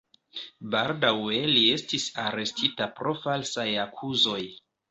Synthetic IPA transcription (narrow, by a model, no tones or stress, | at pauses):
baldawe̞lie̞stisaɾe̞stʰitapɾo̞falsajakʰuzo̞j